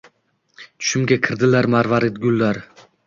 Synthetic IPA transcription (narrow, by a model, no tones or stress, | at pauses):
t͡ʃ̪ʰʊ̥ʃɪmɡʲakʲʰɪɾd̪ɪlaɾmaɾvaɾɪt̪ɡʲʊlˠːaɾ